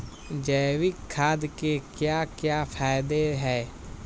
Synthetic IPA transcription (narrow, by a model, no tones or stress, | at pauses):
d͡ʒɛːwikʰːaːd̪kekjakjapʰaːɪd̪eɦɛː